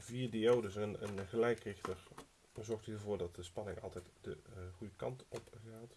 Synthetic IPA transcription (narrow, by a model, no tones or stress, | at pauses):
viːɹdiowdəsənə̰nχəlɛjkrɪxtəɹ | zɔɹxthiːvʊːɹdɑt̚dəspɑnɪŋɑ̰lˠtɛjtdəχujəkɑ̰ntɔpɣaːt